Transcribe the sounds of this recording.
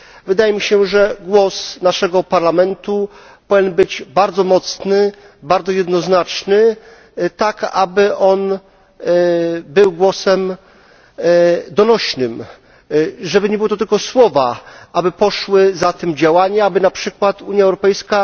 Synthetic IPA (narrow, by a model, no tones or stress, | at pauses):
vɘd̪ajɛmʲiɕɛʐɛɡwɔsnaʂɛɡɔpaɾlamɛnt̪u | pɔvʲjɛnbɘd͡ʑbaɾd̪zɔmɔt̪snɘ | baɾd̪zɔjɛd̪nɔznat͡ʂnɘ | t̪akabɘʔɔn | bɘwɡwɔsɛm | d̪ɔnɔɕnɘm | ʐɛbɘɲɛbɘwɔt̪ɔt̪ɘlkɔswɔvaʔabɘpɔʂwɘzat̪ɘmd͡ʑawaɲɛabɘnapʂɘkwat̪uɲjaɛwɾɔpɛjska